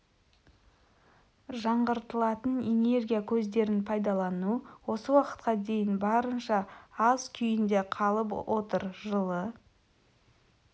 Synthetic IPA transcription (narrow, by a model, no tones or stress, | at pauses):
ʒɑɴʁəɾt̪əlˠɑt̪əne̞ne̞rɡʲijakʲʰɵzd̪e̞ɾɪnpʰɑjd̪ɑlˠɑnuwo̞səwɑqə̥t̪̚qɑd̪e̞jɪnbɑɾənʃɑɑzkʲʰʏjɪnd̪e̞qʰɑlˠəpwʔo̞t̪əɾʒəlˠə